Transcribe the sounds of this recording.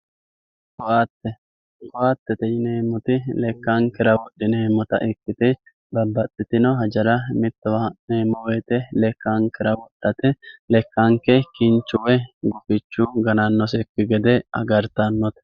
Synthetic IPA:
kɔʔat̪ːɛ | kɔʔat̪ːɛt̪ɛjɪneːmːʊt̪ɪlɛkːaŋkɪɾɐwɔd̪ːɪneːmːɔt̪ɐ̰ʔɪkːɪt̪ɪ | bɐbːɐt̪ʼːɪt̪ɪnɔɦɐd͡ʒɐɾɐmɪt̪ːɔwaneːmːɔweːt̪ʼɛlɛkːaŋkɪɾɐwɔt̪ʼːɐt̪ɪlɛkːaŋkɛkɪnt͡ʃːʊwɛɡʊfɪt͡ʃːʊɡɐnɐnːɔsɛkːɪɡɛd̪ɛɐ̰ɡɐɾt̪ɐnːɔt̪ɛ̥

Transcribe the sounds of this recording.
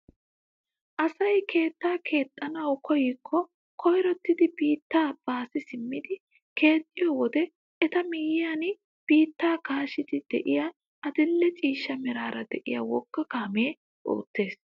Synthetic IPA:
ʔɐsɐjkʰe̞ːt̪ːaːkʰe̞ːt̪ʼːɐnɐwkɔjɪkʰːɔ | kʰɔjɾɔt̪ːɪd̪ɪbiːt̪ːaːb̥ːaːsɪsɪmːɪd̪ɪ | kʰe̞ːt̪ʼːɪjɔwɔd̪ɛ | ʔɛt̪ɐmɪjɪjan | b̥iːt̪ːaːkaːʃɪd̪ɪd̪ɛʔɪja | ʔɐd̪ɪlːɛt͡ʃʼiːʃːɐmɛɾaːɾɐd̪ɛʔɪ̰ja̰wɔkːɐkaːme̞ː | ʔo̰ːt̪ːe̞ːs

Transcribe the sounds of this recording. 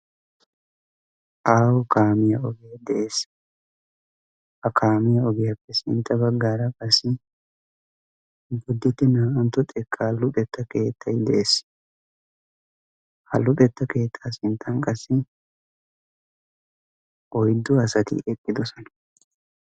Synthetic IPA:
ʔaːwʊkaːmɪjɐɔɡeːd̪ɛʔeːs | hɐkʰaːmɪjɐɔɡɪjɐpːɛsɪ̰nt̪ːɐbɐɡːaːɾɐkʼɐsɪ | bʊd̪ːɛt̪ːɪnaːʔɐnt̪ːɔt̪ʼɛkʼːaːlːʊt̪ʼɛt̪ːɐkeːt̪ʰːɐjd̪ɛʔeːs | hɐlːʊtʼɛt̪ːɐke̞ːt̪ʰːaːsɪnt̪ʰːɐŋkʼɐsːɪ | ʔɔjd̪ːʊɐsɐt̪ɪ̰ʔɛpʼːɪd̪ɔsɔnɐ̥

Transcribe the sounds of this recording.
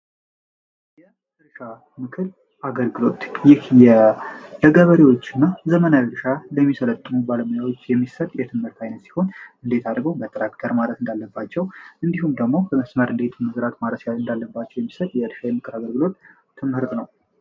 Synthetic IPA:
jɛ | ɨɾʃa | mɨkʰɨl | ʔaɡəlɡɨlo̞t̪jɪhjɛləɡəβəɾiwo̞t͡ʃːɨnːazəmənaɨɾʃaləmːisələt̪ʼːɨmubaləmojawo̞t͡ʃːjɛmːisət̪ʼjɛt̪ʰɨmhɨɾt̪ʰajnət̪si̥ho̞nɨnd̪e̞t̪ʰad̪ɾɡəwbət̪ʼɾakt̪ʰəɾmalət̪ɨnd̪alːəbːat͡ʃːɛwɨnd̪ihumd̪əɡmo̞bəməsməɾʔɨnd̪e̞t̪mɨzɾat̪maɾəsjalɨnd̪alːəbːat͡ʃːɛwjɛmːisət̪ʼjɛɨɾʃajɛmːɨkʰɨɾaɡəlɡɨlo̞t̪ʰː | ɨmhɨɾt̪ʼnəw

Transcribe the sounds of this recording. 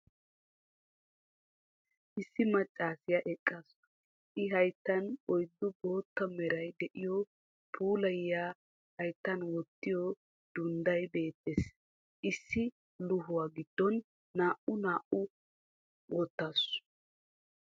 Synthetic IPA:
ʔɪsːɪmɐt͡ʃʼːaːsɪjaʔɛkʼːɐs | ʔɪɦɐjt̪ːɐnɔjd̪ːʊbo̞ːt̪ːɐmɛɾɐjd̪ɛʔɪjɔ | pʰuːlɐjːaː | hɐjt̪ːɐnwɔt̪ːɪjɔ | d̪̥ʊnd̪ɐjbe̞ːt̪ːes | ʔɪsːɪ | lʊɦʊwaːɡɪd̪̥ːɔnː | aːʔʊnaːʔʊ | wʔɔt̪ːas

